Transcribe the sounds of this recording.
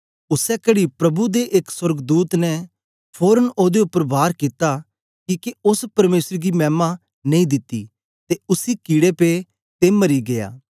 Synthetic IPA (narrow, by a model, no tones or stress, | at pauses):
ʊsɛkɐɽipɾɐbud̪eʔekswɐɾɡd̪uːt̪nɛ | pʰoːɾənoːd̪eʊpːəɾbʱaːɾkit̪a | kiːkeʊspɐɾmeːsɾɡimɛ̃ːma | nɐ̃ĩd̪ɪt̪ːḭ | t̪eʊsikiːɽepe | t̪emɐɾiɡeja̰ː